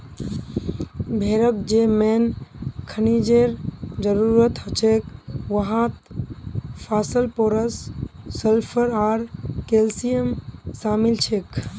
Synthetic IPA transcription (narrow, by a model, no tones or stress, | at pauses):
bʱeɾək̚d͡ʒemenkʰənid͡ʒeɾd͡ʒəɾuɾət̪ɦət͡ʃʰekʋəɦãt̪ | pʰaːsəlpoɾəsːəlpʰəɾaɾkelsijəmsaːmilt͡ʃʰek